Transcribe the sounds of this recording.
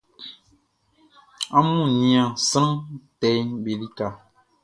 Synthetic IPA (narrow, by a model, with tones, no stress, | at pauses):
a˦mũ˦˨nĩ˨ã˨sɨ˦ɾtɛ˨jbe˨li˦ka˨